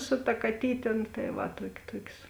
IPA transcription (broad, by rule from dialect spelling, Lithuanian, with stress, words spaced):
sʊ tɐ kɐˈtʲiːtʲeː nʊ tɐɪ ˈʋɐ ˈtuɔkʲ ˈtuɔkʲsʲ